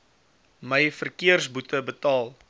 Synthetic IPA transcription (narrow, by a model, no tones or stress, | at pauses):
məjfərkiərsbutəbətɑːlˠ